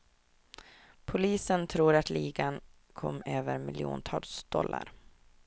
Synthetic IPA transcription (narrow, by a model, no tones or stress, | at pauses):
pʰʊliːsənt̪ʰɾuːɾat̪liːɡan | kʰɔmːøːvəɾmɪlɪṵːnt̪ʰɑːlsd̪̥ɔlːa̰ɾ